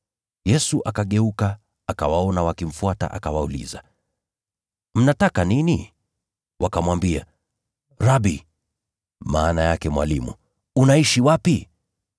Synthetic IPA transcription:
jɛsuʔakaɠɛukaː | kawaɔnawakim̩fuata̰ʔa̰kawaulḭza̰ | m̩natakanini | wʔakamwambia̰ | ɾabi | ma̰ːnajakɛmwa̰limṵ | unaiʃiwapi

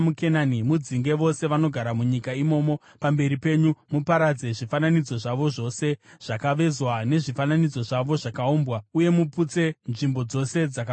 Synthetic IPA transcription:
mukenanimud͡ziŋɡe̞ʋo̞se̞ʋano̞ɡʱaɾamuɲikaimo̞ːmo̞ | pambe̞ɾipe̞ɲumupaɾad͡ze̞ʐifananid͡zo̞ʐaʋo̞ʐo̞se̞ʐ̥akaʋe̞zwane̞ʐifananid͡zo̞ʐaʋo̞ʐakauːmbwauje̞muput͡se̞nʐimbo̞d͡zo̞se̞d͡zak

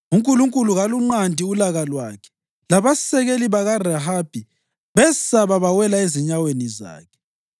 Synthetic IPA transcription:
uŋkʼuluŋkʼuluɣaluŋ͡ǃandʱiulaɣalwa̰kʰɛ̥ | laβasɛɣeliβaɣaraɦab̥ʱi | βɛsaβaβawɛlaeziɲaweniza̰ːkʰɛ̥

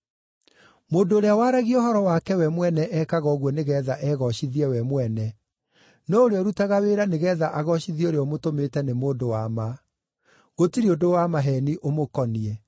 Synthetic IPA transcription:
moːndooɾeawaɾaɣiohɔɾɔwakɛwɛmwɛnɛʔɛkaɣɔɣwɔneɣɛðaʔɛɣɔɕiðiɛwɛmwɛnɛ | nɔoɾeɔɾutaɣaweɾaneɣɛðaʔaɣɔʃiðioɾeɔomotometɛnemoːndowama | ɣotiɾeodowamaɦɛniʔomokɔniɛ

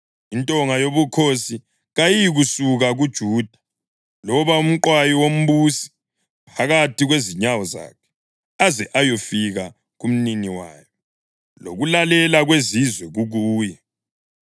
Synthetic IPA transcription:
intʼɔŋajoβukʰosi | ɣajiɣusuɣaɣud̥ʒ̥ʱuːd̥ʱḁ | lɔβaum̩ǃwajiwom̩βusi̥ | pʰaɣatʰiɣweziɲawɔza̰ːkʰɛ̥ | azɛʔajofiɣa | ɣum̩niniwa̰ːjɔ | lo̰ɣulalɛlaɣwezizwɛɣuɣuːjɛ

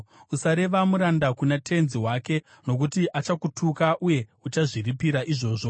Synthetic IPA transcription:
usaɾe̞ʋamuɾandakunatʰe̞nziɦwaːke̞ | no̞k̬utiʔat͡ʃakutʰukaʔuje̞ut͡ʃaʐiripiɾaʔiʐo̞ːʐo̞

